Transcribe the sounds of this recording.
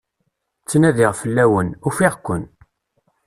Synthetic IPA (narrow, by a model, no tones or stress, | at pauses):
t͡sːnæðiʁfəlːæwənufiʁkʷːən